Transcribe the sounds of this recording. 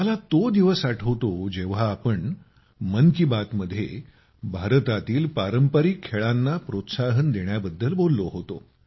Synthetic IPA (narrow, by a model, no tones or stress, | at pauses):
məlat̪od̪iʋəsaʈʰəʋt̪od͡ʑeʋ̤aːpəɳ | mənkibat̪məd̪ʱːjḛ | bʱaɾt̪at̪iːlpaɾəmpəɾikʰːeɭanːapɾot̪saɦənd̪eɳjabəd̪ːəlbolːoɦot̪o̰